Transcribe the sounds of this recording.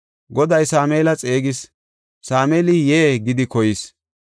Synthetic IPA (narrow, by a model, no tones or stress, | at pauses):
ɡɔd̪ɐjsaːmeːlɐt͡sʼe̞ːɡɪs | saːmeːlɪjeːɡɪd̪ɪkɔjɪs